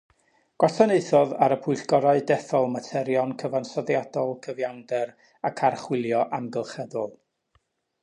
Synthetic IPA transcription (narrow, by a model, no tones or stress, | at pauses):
ɡ̥wasaneɨθɔðaɾəpʰʊɨɬɡ̥ɔɾaɨdɛθɔlˠmatʰɛɾjɔnkʰəvansɔðjadɔlˠkʰəvjandɛɾ | akʰarχwɪlˠjɔʔamɡəlˠχɛðʊlˠ